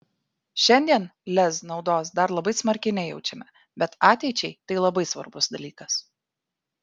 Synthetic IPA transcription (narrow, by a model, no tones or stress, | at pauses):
ʃʲɛnʲd̪ʲiɛnlʲɛsnɒʊd̪oːsd̪ɐɾlˠɐbɐɪsmɐɾʲkʲɪnʲɛɪjɛʊt͡ʃʲɛmʲɛ | bʲɛt̪ɑːt̪ʲɛɪt͡ʃʲɛɪt̪ɐɪlˠɐbɐɪsʋɐ̰ɾbʊsd̪ɐlʲiːkɐs